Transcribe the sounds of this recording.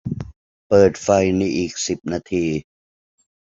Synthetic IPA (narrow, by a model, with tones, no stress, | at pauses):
pɤː˨˩t̪̚fa˧jna˧jʔiː˨˩k̚si˨˩p̚naː˧t̪ʰiː˧